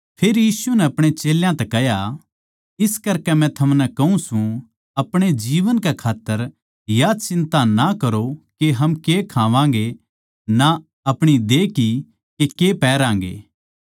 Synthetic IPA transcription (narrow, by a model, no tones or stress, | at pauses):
pʰeːɾjiːsunɛɐpɽ̃et͡ʃeːljãt̪ɛkɛɦja | ɪskɐɾkɛmɛ̃t̪ʰɐmnɛkɐɦũsũ | ɐpɽ̃ed͡ʒiːʋənkɛkʰaːt̪ːəɾ | jat͡ʃɪ̃nt̪anakɐɾokeɦɐmkekʰãːʋãːŋ̆ɡe | na | ɐpɽ̃id̪eːki | kekepɛːɾãːŋɡḛː